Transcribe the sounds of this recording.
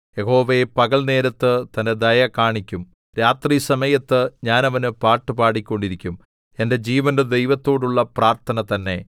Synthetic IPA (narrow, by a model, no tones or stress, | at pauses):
je̞ho̞ːʋɐepɐɣɐɭne̞ːɾɐt̪ːɨt̪ɐnde̞d̪ɐjɐkaːɳikʲːum | ɾaːt̪riːsɐmɐjɐt̪ːɨɲaːnɐʋɐnɨpaːʈːɨpaːɽikʲːo̞ɳɖiɾikʲːum | e̞nde̞d͡ʑiːʋɐndɨd̪e̞jʋɐt̪ːo̞ːɽuɭːɐpraːrt̪ʰɐnɐt̪ɐnːe̞